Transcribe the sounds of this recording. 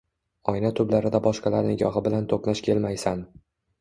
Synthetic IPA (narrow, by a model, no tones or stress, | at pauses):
ɒjnat̪ʰʊblaɾɪd̪abɒʃqɑlaɾnɪɡɒɦɪbɪlant̪ʰoqnaʃkʲʰe̞lmajsan